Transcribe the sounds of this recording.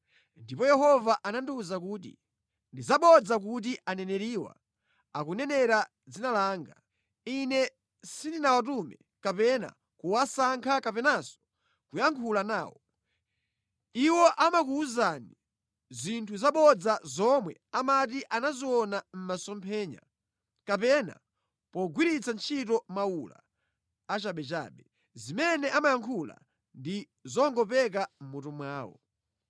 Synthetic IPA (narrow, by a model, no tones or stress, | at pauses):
ndipɔjɛɦɔvaʔananduuzak̬uːt̬ḭ | ndizaɓɔd͡zak̬utiʔanɛnɛɾiːwa̰ | akunɛnɛɾa | d͡zinalaːŋɡa | inɛ | sindinawat̬umɛ | kapɛna̰ | kuwasaŋkʰakapɛnasɔ̥ | kujaŋkʰulanaːwɔ | iwɔʔamak̬uuzani | zintʰuzaɓɔd͡zazɔmwɛ̰amatiʔanaziɔnam̩masɔmpʰɛːɲa̰ | kapɛna̰ | pɔɡwiɾit͡sant͡ʃʰitɔmawula̰ː | t͡ʃaɓɛt͡ʃa̰ːɓɛ | zimɛnɛʔamajaŋkʰula̰ | ndi | zɔŋɡɔpɛk̬am̩mutumwaːwɔ̰